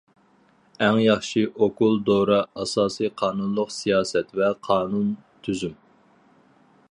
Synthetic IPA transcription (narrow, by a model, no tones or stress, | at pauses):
ɛŋjɑχʃiʔokulˠd̪oɾɑɑsɑːsijqʰɑːnunlˠʊqsijɑːsɛt̪vɛqʰɑːnunt̪ʰyzym